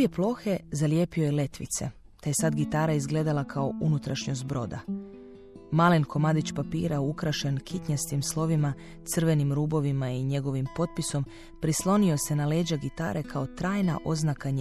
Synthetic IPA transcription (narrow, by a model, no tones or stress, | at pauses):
jeplˠo̞xe̞zalje̞pio̞jele̞t̪ʋḭt̪se̞̰ | t̪aje̞sad̪ɡit̪aːɾaizɡle̞ːd̪alˠakʰaoʔunut̪ɾaʃɲozbɾo̞̰d̪a̰ | maːlenkʰo̞mad̪it͡ɕpapḭːɾaukɾaʃe̞nkʰit̪ɲast̪imslˠo̞ʋima | t̪sɨr̩ʋe̞nimɾuːbo̞ʋimaiɲe̞ɡo̞ʋimpo̞t̪̚piso̞m | pɾislˠo̞nio̞se̞naleːd͡ʒaɡit̪a̰ːɾʔe̞kʰao̞t̪ɾaːjna̰ʔo̞znakaɲ